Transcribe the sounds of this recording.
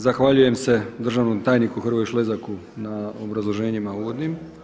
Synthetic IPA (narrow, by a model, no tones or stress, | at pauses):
zaxʋaʎuje̞mse̞d̪r̩ʒaʋnomt̪aːjnikuxrʋojʃle̞zakunaobɾazlˠo̞ʒe̞ːɲimauːʋod̪nim